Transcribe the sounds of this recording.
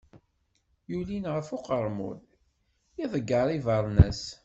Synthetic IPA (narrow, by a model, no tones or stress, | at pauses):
julinʁəfoqəɾˤmʊ̰ð | iðˤəɡːɑɾˤivɑɾˤnæs